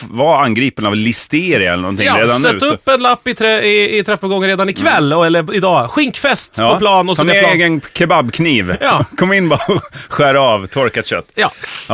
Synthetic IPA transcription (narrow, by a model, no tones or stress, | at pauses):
vaanɡɾiːpənavlɪst̪eːɾɪɛlːənɔ̰nt̪ʰɪɾeːd̪ansɛʉːɵpːɛnlapːɪt̪ʰɾɛɪɪt̪ʰɾɛpːəlɡɔŋənɾeːd̪anɪkʰvɛlːɛlːəɾɪd̪ɑːɧɪŋkfɛst̪pːɔplɑːnnɔsɔmeeːɡənkʰɛbabːkʰniːvjɑkʰɔmːɪnːbɑɔɧæːɾɑvt̪ʰɔɾkat̪ɕœ̰t̪ːjɑː